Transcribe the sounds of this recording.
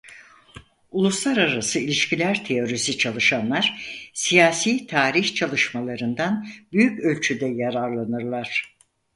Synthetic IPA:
ulˠuslˠaɾaɾasɯilʲiʃcilʲæɾt̪ʰe̞jo̞ɾisit͡ʃʰalˠɯʃanlˠaɾ̥sijaːsiːt̪ʰaːɾiçt͡ʃʰalˠɯʃmalˠaɾɯnd̪anbyjycø̞lʲt͡ʃʰyd̪ɛjaɾaɾlˠanɯɾlˠaɾ̥

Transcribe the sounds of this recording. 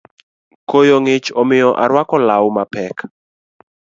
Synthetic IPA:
kojoŋɪt͡ʃɔmɪjɔʔaɾwakɔlawmapɛk

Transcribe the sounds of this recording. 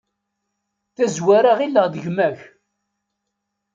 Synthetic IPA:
θæzwaɾaʁilːəʁðəʝmæç

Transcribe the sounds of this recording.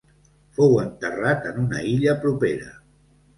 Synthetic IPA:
fowənt̪ərat̪ənunə̰iʎəpɾupeɾə̰

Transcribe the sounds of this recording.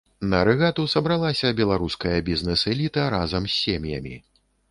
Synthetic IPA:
nɐɾɛɣat̪usɐbɾalˠasʲɐbʲɛlˠaɾuskɐjɐbʲiznɨsɛlʲit̪ɐɾazɐmsʲːɛmʲjɐ̰mʲḭ

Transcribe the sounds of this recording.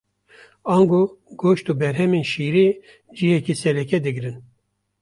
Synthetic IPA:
ɑːŋɡoːɡoːʃt̪uːbɛɾɦɛmeːnʃiːɾeː | d͡ʒihɛkiːsɛɾɛkɛd̪ɨɡɾɨn

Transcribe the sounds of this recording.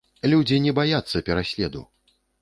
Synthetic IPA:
lʲud͡zʲinʲɛbajat̪sːɐpʲɛɾasʲlʲɛd̪ṵ

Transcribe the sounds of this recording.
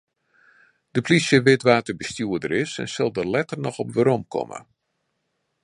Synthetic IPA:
d̥əplisjəʋɪtʋaːtəbəstjuədəɾɪsɛ̰nsɪlˠdərlɛtərnɔxɔpʋəɾɔmkʰɔ̰mə̰

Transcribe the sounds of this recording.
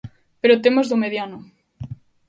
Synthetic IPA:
peɾot̪emozðomeðjanʊ

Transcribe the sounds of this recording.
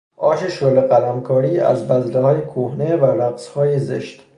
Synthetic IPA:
ʔɒːʃeʃoleɣælæmkʰɒːɾiːæ̰zbæzlehɒːjekʰohnevælæɡz̥hɒːjezḛʃt̪

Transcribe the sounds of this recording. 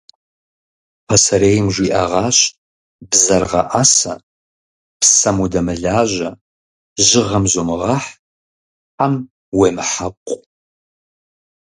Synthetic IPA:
pʰɐsɐɾeːjmʒʷiːʔɐʁɑːɕ | bzɐrʁɐ̰ʔasɐ | psɐmudɐmɨɮaːʑɐ | ʒɪʁɐmʒomɨʁɑħ | ħam | weːmɨħapʷʼ

